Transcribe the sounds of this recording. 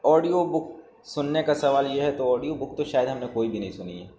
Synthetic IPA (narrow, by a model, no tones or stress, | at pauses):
ɔːɖijobʊk | sʊnːekasɐʋaːljeɦɛt̪oɔːɖijobʊk̚t̪oʃaːjəd̪ɦɐmnekoːibʱinɐɦĩsʊnḭɛ̰ː